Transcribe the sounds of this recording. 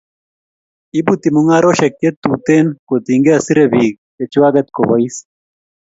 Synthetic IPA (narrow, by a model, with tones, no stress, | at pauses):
i˦but̪i˨mu˦ŋa˦ɾo˦ʃe˨kje˦t̪ːut̪e˦nkot̪iŋɡe˦asi˦ɾeβi˨k̚ | e˨t͡ʃi˦wa˦ɡɛt̪̚ko˨βɔis